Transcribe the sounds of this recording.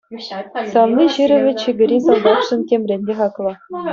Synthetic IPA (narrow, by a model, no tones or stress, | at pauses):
sɑnnʲiʑɯɾʲɘ̆ʋʲɘ̆t͡ɕɘ̆ɡʲɘ̆ɾʲisɑlˠd̪ɑtʂɘ̆ntʲemʲrʲenʲːeχɑklˠɤ̆